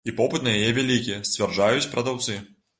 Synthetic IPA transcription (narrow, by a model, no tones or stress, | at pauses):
ipɔpɨt̪nɐjajɛvʲalʲikʲijɛsʲt͡sʲvʲɛrʐajut͡sʲpɾɐd̪awt̪sɨ